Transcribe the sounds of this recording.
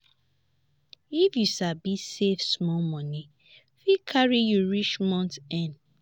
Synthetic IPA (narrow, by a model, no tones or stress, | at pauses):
ifjusabisefsmɔmɔni | fikʰaɹijuɹiʃmɔ̃ntɛ̃n